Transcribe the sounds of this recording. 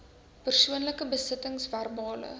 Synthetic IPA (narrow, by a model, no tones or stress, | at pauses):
pərsuənləkəbəsətəŋsværbɑːlə̰